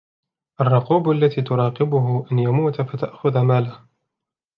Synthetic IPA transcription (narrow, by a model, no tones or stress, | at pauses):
ʔarˤːʊquːbʔalːat̪iːt̪ʊɾˤɑːqɪbʊɦʊʔanjamuːt̪fat̪aʔxʊðmaːlah